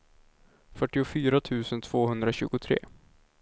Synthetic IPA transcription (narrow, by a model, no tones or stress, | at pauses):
fœʈːɪʊfyːɾat̪ʰʉ̟ːsənt̪ʰv̥oːɦɵnd̪ɾaɕʉ̟ːɡʊt̪ʰɾḛː